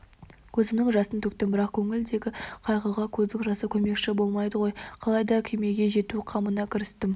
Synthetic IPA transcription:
kʲʰɵzɪmnɪŋʒɑsənt̪ʰɵk̚t̪ɪmbɪɾɑqkʲʰɵŋɪld̪e̞ɡʲɪqʰɑjʁəʁɑkʲʰɵzd̪ɪŋʒɑsəkʲʰɵme̞kʃɪbo̞lˠmɑjd̪əʁo̞jqʰɑlˠɑjd̪ɑkʲʰeme̞ɡʲe̞ʒe̞t̪uqʰɑmənɑkʲʰɪɾɪst̪ɪm

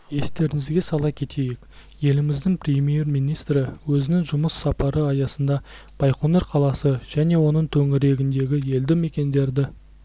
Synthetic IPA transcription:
je̞st̪e̞ɾɪŋɪzɡʲe̞sɑlˠɑkʲʰe̞t̪ʰe̞jekje̞lɪmɪzd̪ɪŋprʲemʲije̞rmijnijst̪rɪwɵzɪnɪŋʒʊməsːɑpɑɾəɑjɑsənd̪ɑ | b̥ɑjqonɑɾqʰɑlˠɑsəʒ̥æne̞wo̞nəɴt̪ʰɵŋɪɾe̞ɡʲɪnd̪e̞ɡʲɪje̞ld̪ɪme̞kʲe̞nd̪e̞ɾd̪ɪ

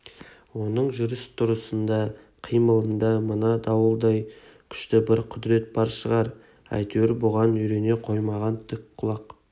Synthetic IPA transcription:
wo̞nəɴʒʏɾɪst̪ʰːʊɾəsənd̪ɑ | qʰijməlˠənd̪ɑmənɑd̪ɑwəlˠd̪ɑj | kʲʰʏ̥ʃt̪ɪbɪɾqʰʊd̪ɾe̞t̪̚bɑɾʃəʁɑɾ | ɑ̰jt̪ʰeɾbʊʁɑnʏɾe̞ne̞qʰo̞jmɑʁɑnt̪ʰɪkqʰʊlˠɑq

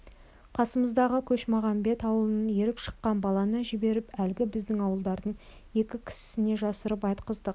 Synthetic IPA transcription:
qʰɑsəməzd̪ɑʁəkʲʰɵʃmɑʁɑnbe̞t̪ɑwəlˠənənjeɾɪpʃə̥qːɑnbɑlˠɑnəʒɪbe̞ɾɪpælɡʲɪbɪzd̪ɪŋɑwəlˠd̪ɑɾd̪əɴ | je̞kʲɪkʲʰɪ̥sɪne̞ʒɑsəɾəpɑjt̪qəzd̪əq

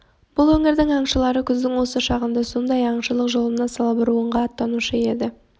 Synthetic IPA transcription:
b̥ʊlˠwɵŋɪɾd̪ɪŋɑɴʃəlˠɑɾəkʲʰʏzd̪ɪŋwo̞səʃɑʁənd̪ɑso̞nd̪ɑjɑɴʃəlˠəqʒo̞lˠənɑsɑlˠbəɾuəɴʁɑːt̪ːɑnuʃəe̞d̪ɪ

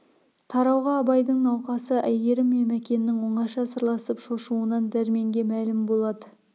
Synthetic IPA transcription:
t̪ʰɑɾɑwʁɑːbɑjd̪əɴnɑwqɑsəʔæjɡe̞ɾɪmːemækʲe̞nːɪŋwoɴɑʃɑsəɾlˠɑsəpʃo̞ʃuənɑnd̪æɾme̞ŋɡʲe̞mælɪmbo̞lˠɑd̪ə

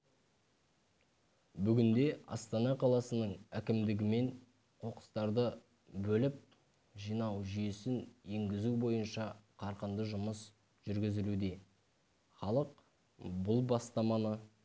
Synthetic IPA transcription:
bʏɡʲɪnd̪e̞ɑ̰st̪ɑnɑqʰɑlˠɑsənəɴækʲɪmd̪ɪɡʲɪme̞n | qʰo̞qə̥st̪ɑɾd̪ə | bɵlɪp̚ | ʒijnɑwʒijesɪne̞ŋɡʲɪzubo̞jənʃɑqʰɑɾqənd̪əʒʊməs | ʒ̥ʏɾɡʲɪzɪlud̪e̞ | χɑlˠəq̚ | bʊlˠbɑst̪ɑmɑnə

